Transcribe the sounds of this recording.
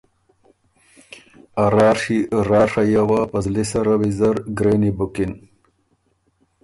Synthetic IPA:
aɾɑːɾʂiɾɑːɾʂajawapɐzlisaɾawizɐɾɡɾenibukin

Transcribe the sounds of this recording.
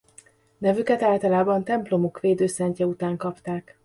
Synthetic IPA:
nɛvykɛt̪aːlt̪ɒlaːbɒnt̪ɛmplo̞mokʋeːd̪øːsɛɲcɛut̪aːŋkɒpt̪aːk

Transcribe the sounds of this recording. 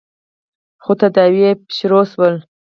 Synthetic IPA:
xot̪ad̪ɑwjepɕɾoswəl

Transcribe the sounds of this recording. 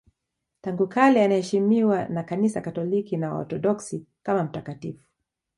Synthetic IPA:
taŋɡukalɛanahɛʃimiwanakanisakatɔlikinawa̰ɔ̰tɔɗɔksi | kamam̩takatifu̥

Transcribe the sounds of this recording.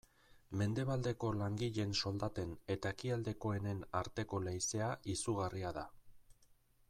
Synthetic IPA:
me̞nd̪e̞β̞ald̪e̞ko̞laŋɡiʎe̞nso̞ld̪at̪e̞ne̞t̪aekiald̪e̞ko̞e̞ne̞naɾt̪e̞ko̞lejse̞aisuɣ̞ariaða

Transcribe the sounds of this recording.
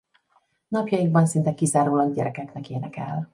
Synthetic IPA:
nɒpjɒiɡbɒnsint̪ɛkizaːɾuːlɒɡ̚ɟɛɾɛkɛknɛkeːnɛkɛ̰l

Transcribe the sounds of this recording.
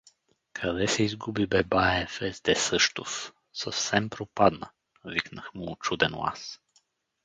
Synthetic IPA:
kʰɐd̪ɛsɛizɡubibɛbaɛfɛzd̪ɛsɤʃt̪of | səfsɛmpɾopad̪nə̰ | viknəxmuːt͡ʃud̪ɛnlˠa̰s

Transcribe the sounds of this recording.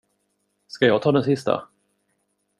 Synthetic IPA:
skajɑːɡt̪ʰɑːd̪ɛnsɪst̪a̰

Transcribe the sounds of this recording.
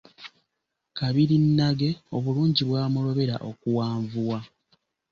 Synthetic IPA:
kaβiɾinːaɡe̞o̞βuluːɲɟiβwaːmulo̞βe̞ɾa̰ʔo̞kuwaːɱvuwa

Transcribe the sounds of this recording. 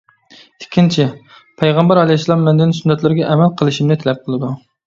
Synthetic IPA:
ɪkʲʰːint͡ʃʰi | pʰɛjʁɑmbɛɾɑlˠɛslˠɑmːɛnd̪ɪnsynːɛt̪lɪɾɪɡʲɛʔɛmɛlqʰəlˠɨʃimnɪt̪ʰɛlɛp̚qʰəlˠɨd̪u

